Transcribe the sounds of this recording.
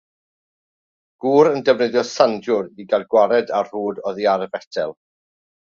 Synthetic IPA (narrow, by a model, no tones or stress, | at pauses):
ɡ̥uːɾəndɛvnəðjɔsandʊɾiɡadɡwaɾɛdar̥uːdɔðiaɾvɛtʰɛlˠ